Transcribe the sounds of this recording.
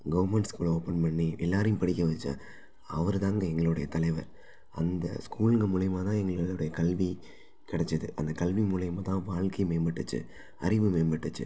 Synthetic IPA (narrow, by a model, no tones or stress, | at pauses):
ɡɐʋɐɾmɛɳʈskuːloːpɐnpɐɳːiʔɛlːaːɾɐjʊ̃mpɐɽɪkːɐʋɐt͡ʃːa̰ | ɐʋɐɾɯt̪ãːŋɡɐɛŋɡɐɭɯɽɐjɐt̪ɐlɐɪʋɐɾ | ɐ̰nd̪ɐ̰skuːlɯŋɡɐmʊɭɐjɐmaːt̪ãːɛŋɡɐɭɯlɯɽɐjɐkɐlʋi | kɪɽɛt͡ʃːɐðɯʔɐnd̪ɐkɐlʋimʊɭɐjɐmaːt̪ãːʋaːɭkɐɪmeːmbɐʈːɯt͡ʃːɯ̰ | ɐɾɪʋɯmeːmbɐʈːɯt͡ʃːɯ̰